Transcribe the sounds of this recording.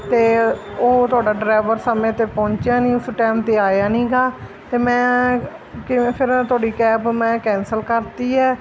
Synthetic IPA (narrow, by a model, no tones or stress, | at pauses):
t̪eː | oːt̪ʊaːɖaːɖɾaːʋəɾsəmẽːt̪eːpɔ̃ːɲt͡ʃaːnĩːʊsʈɛːmt̪eːaːjaːnĩːɡaː | t̪eːmɛ̃ː | kɪ̃pʰɪɾt̪ʊaːɖiːkɛːpmɛ̃ːkɛ̃ːnsəlkəɾt̪iːɛː